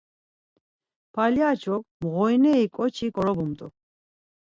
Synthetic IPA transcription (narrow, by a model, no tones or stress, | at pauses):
pʰaljat͡ʃʰɔk̚mɣɔjnɛikʼɔt͡ʃʰikʼɔɾɔbumt̪ʼɔ̰